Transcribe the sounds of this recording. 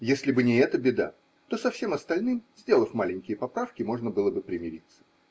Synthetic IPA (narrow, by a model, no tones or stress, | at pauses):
jesʲlʲɪbɨnʲɪɛt̪əbʲɪd̪a̰ | t̪o̞sɐfsʲe̞mɐst̪ɐlʲnɨmzʲdʲe̞lˠəfʲmalʲɪnʲkʲɪjəpɐpɾafkʲɪmo̞ʐnəbɨlˠəbɨpɾʲɪmʲɪɾʲit̪sːə̥